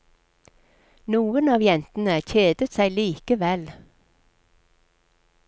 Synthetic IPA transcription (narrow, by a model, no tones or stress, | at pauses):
nuːənɑːʋjɛnt̪n̩əc͡çeːd̪ət̪sæɪliːkəʋɛl